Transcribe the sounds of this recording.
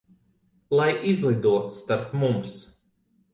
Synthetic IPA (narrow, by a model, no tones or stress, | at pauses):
lˠajʔizlˠid̪uɔst̪aɾpmums